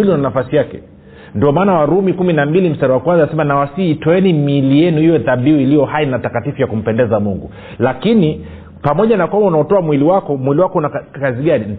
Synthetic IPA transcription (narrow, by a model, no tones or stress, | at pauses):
iliunanafasijakɛ | ndiɔmaːnawaɾumikuminambilim̩staɾawakwanzansɛmanawasiːtɔɛnimilijɛnuiwɛðaɓiuilijɔhainatakatifujakum̩pɛndɛzamuŋɡu | lakini | pamɔʄanakwambaunaɔtɔamwiliwakɔmwiliwakɔunakaziɠani